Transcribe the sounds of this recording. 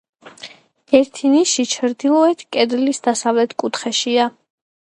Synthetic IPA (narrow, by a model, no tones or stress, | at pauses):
ɛɾt̪ʰiniʃit͡ʃʰɾd̪ilˠɔɛt̪ʰkʼɛd̪lisd̪asavlɛt̪ʰkʼut̪ʰχɛʃia